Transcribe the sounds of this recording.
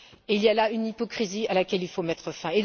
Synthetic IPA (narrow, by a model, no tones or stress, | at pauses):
eiljalaynipɔkχizialakʲɛlilfomɛt̪χəfɛ̃ed̪